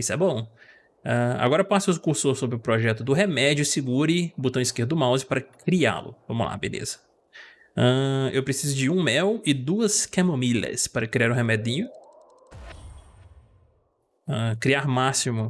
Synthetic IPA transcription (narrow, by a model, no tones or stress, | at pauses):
isɛbõw̃ | ãa̰ɡɔɾɐpasʊʊzkuɾsoɾsobɾɪʊpɾɔʒɛt̪ʊd̪ʊɦemɛd͡ʒʊsɪɡuɾɪbot̪ɐ̃w̃iskeɾd̪ʊmawzɪpaɾɐkɾia̰lʊ̰vɐ̃mʊla̰bḛlḛzɐ̥ | ɐ̃ewpɾesizʊd͡ʒɪũmɛwɪd̪uɐskẽmõmilɐ̰spaɾɐkɾiaɾʊɦemɛd̪ĩɲʊ | ɐ̃kɾiaɾmasimʊ